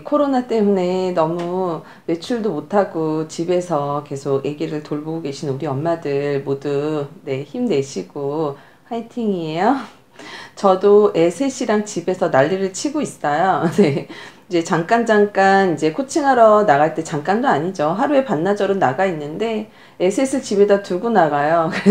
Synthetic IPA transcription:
kʰoɾonat͈e̞mune̞nʌmu | me̞t͡ɕʰuɭdomotʰaɡot͡ɕibe̞sʰʌke̞sʰoɡje̞ɡiɾɯɭtoɭboɡoɡe̞ɕʰinuɾiʌmmadɯɭmodune̞çimne̞ɕʰiɡ̥o | haitʰiŋie̞jo | t͡ɕʌdoe̞sʰe̞ɕ͈ʰiɾaŋt͡ɕibe̞sʰʌnaʎːiɾɯɭt͡ɕʰiɡois͈ʌjone̞id͡ʑe̞t͡ɕaŋk͈and͡ʑaŋk͈anid͡ʑe̞kʰot͡ɕʰiŋɦaɾʌnaɣaɭt͈e̞t͡ɕaŋk͈andoaɲid͡ʑoɦaɾue̞panːad͡ʑʌɾonaɡainːɯnde̞ | esʰesʰɯt͡ɕibe̞datuɡunaɡajoke

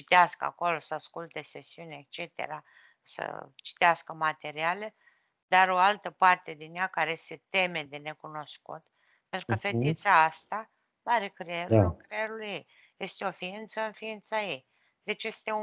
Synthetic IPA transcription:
t͡ʃit̪easkəa̰ko̞lo̞səaskult̪e̞sesiunʲeek̚t͡ʃe̞t̪e̞̰ɾa | sə̰t͡ʃi̥t̪easkəmat̪e̞ɾiale | d̪aɾo̞alt̪əpart̪e̞d̪injakaɾese̞t̪e̞me̞d̪e̞ne̞kuno̞skṵt̪ | pent̪ɾukəfet̪it̪saast̪a | maɾekɾeeɾukɾeeɾulujej | je̞st̪eo̞fiint̪səɨnfiint̪sajej | d̪e̞t͡ʃje̞st̪e̞u

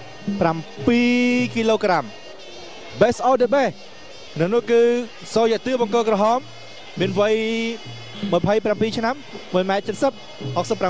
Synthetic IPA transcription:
prampiːkiːloːkram | ɓɛsʔɔɗəɓeh | nɨŋnʊ̆əhkɨː | soːjɛ̆əʔt̪ɨəɓɑŋkoːlkrɔɦɑːmː | iənʋəj | məpʰəjprampiːt͡ɕʰnamʋəjmaɛt̪̚t͡ɕət̪̚səp̚ | hok̚səpːra

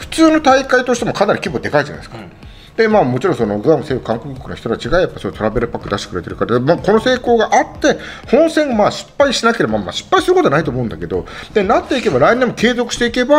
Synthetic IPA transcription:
ɸɯ̟̥t͡sɨːno̞t̪aikait̪oɕi̥t̪emo̞kʰanaɾikʲibo̞d̪e̞kaiʑana̰desɨ̥ka | d̪̥e̞maːmo̞t͡ɕiɾõso̞no̞ɡɯ̟amɯ̟seːkɯkãŋkokɯkokɯnoçi̥t̪o̞t̪at͡ɕiɡajapːaisot̪o̞ɾabe̞ɾɯ̟pakːɯd̪aɕit̪e̥kɯɾe̞t̪e̞ɾɯ̟kaɾad̪emaːko̞no̞se̞ːko̞ːɡaʔat̪ːe̞ | hõ̞ɰ̃sẽ̞ɰ̃amaːɕi̥pːaiɕinakeɾe̞bamama̰ɕi̥pːaisɨɾɯkot̪oanait̪oːmoɯ̟nd̪ake̞d̪o̞̰d̪̥e̞nat̪ːe̞ike̞baɾainemːo̞ke̞ːzo̞kɯ̟̥i̥t̪eike̞ba

